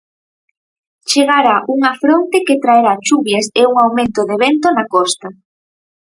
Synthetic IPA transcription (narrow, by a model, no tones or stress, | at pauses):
t͡ʃeɣaɾaʔuŋafɾont̪eket̪ɾaeɾat͡ʃuβjaseuŋawmẽnt̪oðeβent̪onakɔst̪a